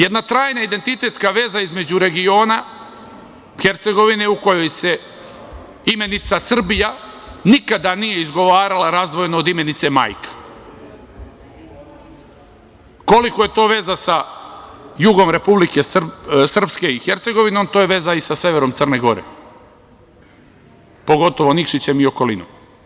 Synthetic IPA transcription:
jed̪nat̪ɾaːjnaid̪e̞nt̪it̪e̞t̪skaʋe̞ːzaizme̞d͡ʑuɾe̞ɡio̞ːna | xeɾt̪se̞ɡo̞ʋine̞uko̞jo̞jse | ime̞nit̪sasr̩bijanikad̪anije̞izɡo̞ʋaːɾalaɾazd̪ʋo̞jnoːd̪ime̞nit̪se̞ma̰jkḁ | ko̞liko̞je̞t̪o̞ːʋe̞ːzasa | juɡo̞mɾe̞publike̞sr̩pske̞ixe̞ɾt̪se̞ɡo̞ʋino̞mt̪oːjeʋe̞ːzaisase̞ʋe̞ɾo̞mt̪sərneɡo̞ɾḛ | po̞ɡo̞t̪o̞ʋo̞nikʃit͡ɕe̞mio̞ko̞lḭnom

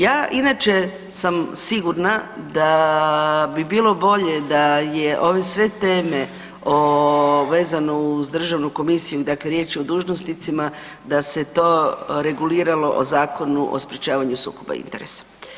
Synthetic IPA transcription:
jaːʔinat͡ʃe̞ | samsiɡuɾnad̪a | bibiːlˠo̞bo̞ʎe̞d̪ajeʔo̞ʋe̞sʋe̞t̪eːme̞ | oʋe̞ːzano̞uzd̪r̩ʒaʋnuko̞misijud̪akle̞ɾje̞ːt͡ʃiod̪uːʒnosnit̪sima | d̪ase̞t̪o̞ːɾe̞ɡuliːɾalo̞ʔozaːko̞nuʔo̰spɾjet͡ʃaːʋaɲusṵːkoba̰ḭnt̪eɾesḁ

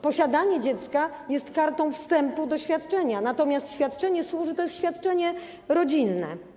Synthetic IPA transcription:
pɔɕad̪aɲɛd͡ʑɛt̪ska | jɛst̪kaɾt̪ɔ̃w̃fst̪ɛmpud̪ɔɕfʲjat̪t͡ʂɛɲanat̪ɔmʲjast̪ɕfʲjat̪t͡ʂɛɲɛswuʐɨt̪ɔjɛst̪ɕfʲjat̪̚t͡ʂɛɲɛ | ɾɔd͡ʑinːɛ̰

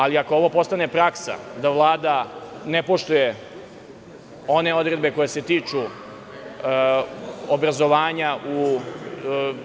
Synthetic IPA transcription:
aliako̞o̞ʋo̞po̞st̪ane̞pɾaksa̰d̪aʋlˠaːd̪ane̞po̞ʃt̪uje̞ | o̞ne̞o̞d̪ɾe̞d̪̚be̞ko̞jeset̪iːt͡ʂu | obɾazo̞ʋaːɲaʔu

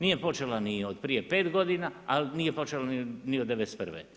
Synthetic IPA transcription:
nije̞po̞t͡ʃelaniod̪pɾijepeːt̪ɡo̞d̪inaalinijepo̞t͡ʃelaniniod̪ːeʋest̪pər̩ʋḛ

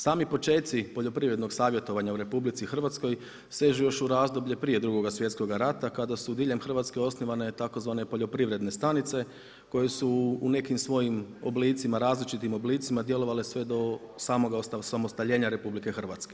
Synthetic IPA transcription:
saːmipo̞t͡ʃe̞ːt̪sipo̞ʎo̞pɾiʋɾe̞d̪no̞ɡsaːʋje̞t̪o̞ʋaɲauɾe̞publit̪sixr̩ʋat̪sko̞j | se̞ːʒujo̞ʃuɾaːzd̪o̞bʎe̞pɾije̞d̪ɾuɡo̞ɡasʋje̞t̪sko̞ɡaɾat̪akad̪asud̪iːʎe̞mxr̩ʋat̪ske̞o̞sniʋane̞t̪ako̞zʋaːne̞po̞ʎopɾiʋɾe̞d̪ne̞st̪anit̪se̞ | ko̞je̞suːne̞kimsʋo̞jimo̞bliːt̪simaɾaːzlit͡ʃit̪imo̞bliːt̪simad̪je̞lo̞ʋalesʋe̞d̪o̞saːmo̞ɡaosasamost̪aʎe̞ːɲaɾe̞publike̞xr̩ʋat̪ske

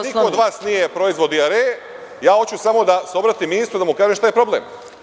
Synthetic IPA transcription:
niood̪ʋaːsnijepɾo̞izʋo̞d̪iaɾe | jaːo̞t͡ɕusamo̞d̪aseo̞bɾat̪iminist̪ɾud̪amukaːʒeʃt̪ajepɾo̞blḛm

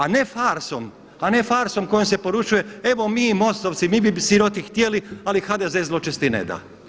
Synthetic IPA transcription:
ane̞faɾsom | ane̞faɾsomkojomsepo̞ɾut͡ʃuje̞e̞ʋomiːmo̞st̪oʋt̪simibisiɾot̪ixt̪jelialixad̪ezezlˠot͡ʃest̪inḛd̪a̰

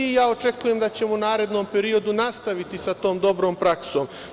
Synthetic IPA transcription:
jaːo̞t͡ʃe̞kuje̞md̪at͡ɕe̞munaːɾe̞d̪no̞mpe̞ɾio̞d̪unast̪aʋit̪isat̪o̞ːmd̪o̞bɾo̞ːmpɾakso̞ːm

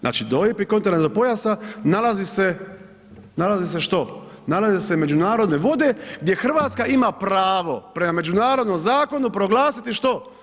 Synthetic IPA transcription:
znʔa̰ːt͡ʃid̪ojepikoeɾnat̪opo̞jasanalazise̞ | nalazis̬e̞ʃt̪o̞ | nalazise̞me̞d͡ʒunaːɾo̞d̪ne̞ʋo̞d̪e̞ɡ̚d̪ʲje̞xr̩ʋaːt̪skaimapɾaːʋo̞pɾe̞mame̞d͡ʒunaːɾo̞d̪nomzaːko̞nupɾo̞ɡlˠaːsit̪iʃt̪o̞

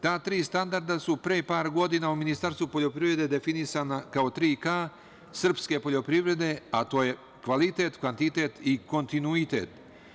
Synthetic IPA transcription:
t̪aːt̪ɾiːst̪and̪aɾd̪asupɾepaːɾɡo̞d̪inauminist̪aɾst̪vupo̞ʎo̞pɾivɾe̞d̪e̞d̪e̞finisaːnakao̞t̪ɾiːkaː | sr̩pske̞po̞ʎo̞pɾiʋɾe̞d̪e̞at̪o̞ːje̞ | kʋalit̪e̞t̪kʋant̪it̪e̞t̪iko̞nt̪inuit̪ḛt̪

